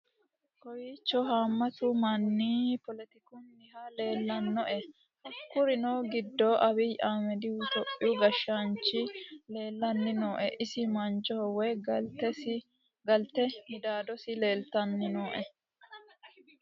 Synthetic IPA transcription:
kɔjiːt͡ʃːɔɦaːmːɐt̪ʊmɐnːiːpɔlɛt̪ɪkʊnːɪhaleːlːɐnːɔʔɛ | hɐkːʊɾɪnoːɡɪd̪ːoːʔɐβɪjʔaːmɛd̪ɪwt̪ɔpʼːɪʊɡɐʃːant͡ʃːɪleːlːɐnːɪnoːʔɛʔɪsɪmɐnt͡ʃɔhɔwɛt̪ɛ | ɡɐlt̪ɛmɪd̪aːd̪ɔsɪle̞ːlt̪ɐnːɪnoːʔɛ

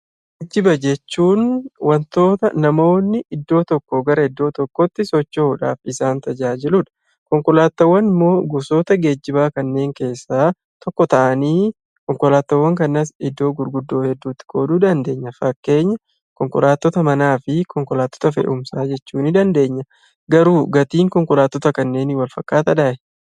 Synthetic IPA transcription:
ɡ | ed͡ʒːɪbɐd͡ʒɛt͡ʃːuːnwɐnt̪o̞ːt̪ɐnɐmo̞ːnːɪʔɪd̪ːo̞ːt̪ɔkːoɡɐɾɐɪd̪ːo̞ːt̪ɔkːɔt̪ːɪsɔt͡ʃːouᶑa̰ːfɪsaːnt̪ɐd͡ʒaːd͡ʒɪlʊᶑɐ̥ | kɔŋkɔlaːt̪ːɐwːɐnɪmːo̞ːɡʊso̞ːt̪ɐɡe̞ːd͡ʒːɪbaːkɐnːe̞ːŋke̞ːsːaː | t̪ɔkːɔt̪ɐʔɐniː | kɔŋkɔlaːt̪ːɐwːɐŋkɐnːɐsɪd̪ːo̞ːɡʊɾɡʊd̪ːo̞ːhɛd̪ːuːt̪ːɪ̥koːd̪uːd̪ɐnd̪e̞ːɲːɐfɐkːe̞ːɲːɐ | kɔŋkɔlaːt̪ːɔt̪ɐmɐnaːfɪkɔŋkɔlaːt̪ːɔ̥t̪ɐfɛ̰ʔʊmsaːd͡ʒɛt͡ʃːuːnɪd̪ɐnd̪e̞ːɲːɐ | ɡɐɾuːɡɐt̪iːŋkɔŋkɔlaːt̪ːɔt̪ɐkɐnːe̞ːnɪwɐlfɐkːaːt̪ɐᶑ̪aːʔɛ

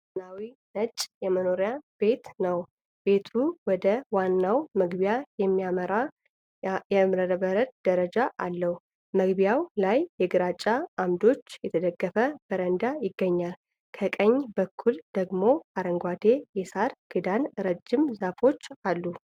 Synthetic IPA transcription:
nawinət͡ʃʼjɛməno̞ɾjab̥e̞t̪nəw | be̞t̪ʰuwɔd̪əwanːawməɡbijajɛmːijaməɾa | jɛmɾəɾəbəɾət̪̚d̪̥əɾəd͡ʒaʔalːəh | məɡbijawlajːɛɡɨɾat͡ʃʼːaamd̪o̞t͡ʃːjɛt̪ʰəd̪əɡːəfəb̥əɾənd̪ajɪɡːəɲːal | kʰəkʼəɲːbəkʰːuld̪̥əɡmo̞aɾəŋɡʷad̪e̞jɛsaɾɡ̥ɨd̪anɾəd͡ʒːɪmzafo̞t͡ʃːalːu

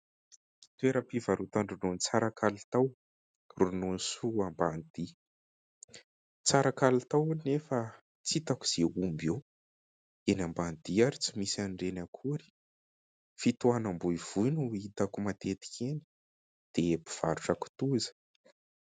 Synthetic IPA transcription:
t̪weɾəpivaɾut̪aɳrunont͡saɾakʰalit̪aw | runonisuamband̪̥i | t͡saɾakalut̪awunefa | t͡sit̪aku̥z̥eumbew | enamband̪̥iaɾit͡simisanɖ͡ʐenakʰuɾi̥ | fit̪uanambuiv̥ujnuit̪akumat̪et̪i̥kʰeni̥ | d̪̥ebi̥v̥aɾuʈ͡ʂaku̥t̪uzə̥

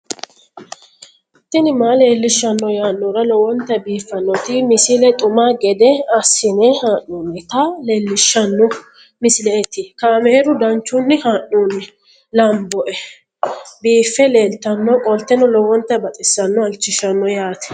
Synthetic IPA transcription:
t̪ːɪnɪmaːle̞ːlːɪʃːɐnːɔjaːnːɔɾɐlɔwɔnt̪ːɐbiːfːɐnːɔt̪ɪmɪsɪlɛt̪ʼʊmaːɡɛd̪ɛɐsːɪnɛhaːnːuːnɪt̪ɐle̞ːlːɪʃːɐnːɔ | mɪsɪlɛɛt̪ːɪkaːmɛɛɾʊd̪ɐnt͡ʃːʊnːɪhaːʔːuːnːɪ | lɐmbɔʔɛ | biːfːɛle̞ːlt̪ːɐnːɔkʼɔlt̪ːɛnɔlɔwɔnt̪ːɐbɐt̪ʼɪsːɐnːɔɐlt͡ʃːɪʃɐnːɔjaːt̪ɛ̥

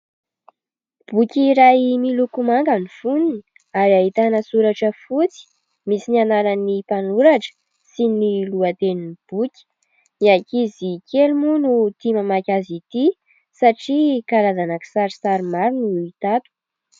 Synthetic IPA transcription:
b̥ukʲiɾaimilukumaŋɡanifunini | aɾiaɦit̪anəsuɾaʈ͡ʂəfut͡si̥ | misinanaɾanipanuɾaʈ͡ʂə̥ | siniluat̪eninib̥ukʲi̥ | iakizikelmunut̪imamakʲazit̪i | saʈ͡ʂikalazanaki̥saɾisaɾimaɾinuit̪at̪u̥

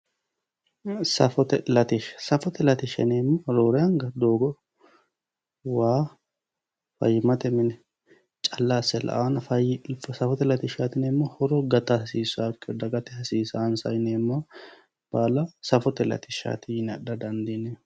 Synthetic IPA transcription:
sɐ̰fɔt̪ɛlɐt̪ɪʃsɐfɔt̪ɛlɐt̪ɪʃɛ̰neːmːɐɾoːɾɛjɐŋɡɐd̪oːɡɔ | waː | fɐ̰jːɪmɐt̪ɛmɪnɛ | t͡ʃʼɐlːasːɛlʔɐ̰ʔanɐfɐjɪfsɐfɔt̪ɛlɐt̪ɪʃaːt̪ɪneːmːɔhɔɾɔɡɐt̪ɐɐsiːsɔakʼːɪɔd̪ɐɡɐt̪ɛhɐsiːsansɐjneːmːɐ | b̥aːlɐsɐfɔt̪ɛlɐ̰t̪ɪʃa̰ːt̪ɪjɪnɐd̪ɐd̪ɐnd̪ine

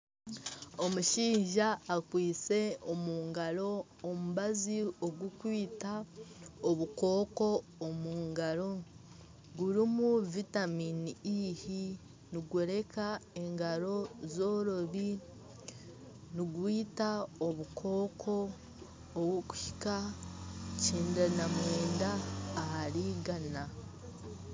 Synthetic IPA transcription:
o̞muʃiːɲʒaːkwiːt͡se̞omuːŋɡaɾo̞ː | muβazioɡwukwiːta | oβuko̞ːko̞ːmuːŋɡaɾo̞ | ɡuɾimuvitaminiihi | niɡweɾe̞kae̞ŋɡaɾo̞zo̞ɾo̞βi | niɡwiːtaoβukʰo̞ːkʰo̞ː | wuku̥hi̥ka | ciːndanamweːndaːhaɾiɡana

